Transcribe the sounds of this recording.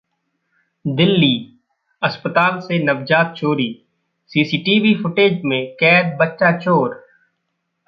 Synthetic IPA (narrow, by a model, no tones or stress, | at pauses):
d̪ɪlːiː | əspət̪aːlsenɐbd͡ʒaːt̪̚t͡ʃoːɾiː | siːsiːʈiːʋifʰʊʈeːd͡ʒmẽkɛːd̪̚bətːʃat͡ʃoːɾ